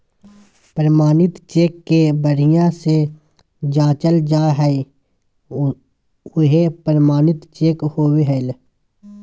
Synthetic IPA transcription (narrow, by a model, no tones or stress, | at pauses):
pɾəmaːnɪt̪t͡ʃeːkːebəɽijãse | d͡ʒaːt͡ʃəld͡ʒaːɦɛi | ʊɦepɾəmaːnɪt̪t͡ʃeːkhoːweɦɛːl